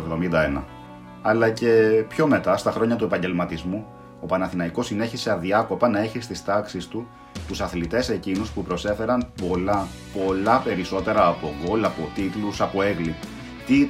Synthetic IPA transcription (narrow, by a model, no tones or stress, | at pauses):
vðo̞mind̪ɐenɐ̰ | ɐlɐce̞pço̞me̞t̪ɐst̪ɐxɾo̞ɲɐt̪ue̞pɐɲɟe̞lmɐt̪izmu | o̞pɐnɐθinɐiko̞sine̞çiseɐðiɐko̞pɐnɐe̞çist̪ist̪ɐksist̪u | t̪usɐθlit̪e̞se̞cinuspupɾo̞se̞fe̞ɾɐnpo̞lɐ | po̞lɐpe̞ɾiso̞t̪e̞ɾɐːpo̞ɡo̞lɐpo̞t̪it̪lusɐpo̞eɣlip | t̪i